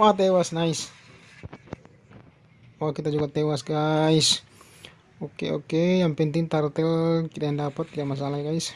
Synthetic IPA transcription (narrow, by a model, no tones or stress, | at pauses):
wat̪ɛwasnais | wakit̪ad͡ʒuɡat̪ɛwasɡais | okḛo̰kejaŋpɛnt̪iŋt̪art̪ɛlkit̪ajandapat̪̚ːidamasalaɡais